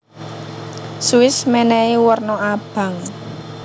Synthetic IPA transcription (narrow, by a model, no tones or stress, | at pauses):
suɪsmɛnɛiwərnɔab̥a̤ŋ